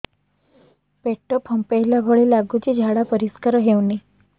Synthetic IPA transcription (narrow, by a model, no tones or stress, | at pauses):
peʈːəpʰəmpajlabʱɔɭelaɡut͡ɕid͡ʑʱaɽapəɾiskəɾəɦewni